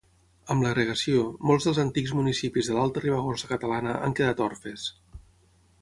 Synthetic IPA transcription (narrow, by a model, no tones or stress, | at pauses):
əmləɣɾəɣəsiomolˠzðəlˠzənt̪ikzmunisipizðəlalˠt̪əriβəɣosəkət̪əlanəʔa̰ŋkəðat̪ɔɾfes